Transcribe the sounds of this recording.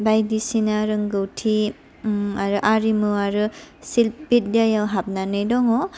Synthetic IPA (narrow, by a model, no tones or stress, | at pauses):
bajdisinaɾɯŋɡɯwtʰi | aɾɯʔaɾimɯaɾɯsilp̚bit̚dajawɦap̚nanɯjdɔŋɔ